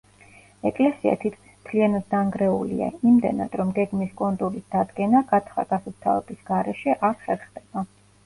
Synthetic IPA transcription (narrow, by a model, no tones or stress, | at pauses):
ɛkʼlɛsia̰t̪ʰit̪kʰmi̥smt̪ʰlianad̪̚ːaŋɡɾɛulḭa̰imd̪ɛna̰d̪̥ɾɔmɡɛɡmiskʼɔnt̪ʼuɾisd̪ad̪ɡɛnaɡat̪sʰχa̰ɡ̥asɔpt̪ʰa̰vɛbisɡaɾɛʃɛʔaɾχɛɾχd̪ɛb̥a